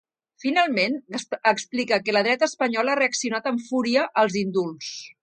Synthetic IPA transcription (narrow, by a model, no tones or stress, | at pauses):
finalˠmenəksplikəkələð̞ɾɛt̪əspəɲɔlareəksiunat̪əɱfuɾiəʔəlˠzind̪ulˠs